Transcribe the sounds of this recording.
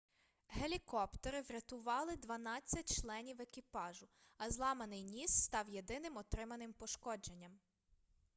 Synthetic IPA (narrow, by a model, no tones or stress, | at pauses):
ɦelʲikɔpt̪ɔɾɪʋɾʲɐt̪ʊʋɑlˠɪd̪ʋɐnɑt͡sʲːɐt̚ʲt͡ʃlˠɛnʲiwekʲipɑʒʊ | ɐzlˠɑmɐnɪjnʲisːt̪ɑwje̞d̪ɪnɪmɔt̪ɾɪmɐnɪmpɔʃkɔd͡ʒe̞nʲːɐm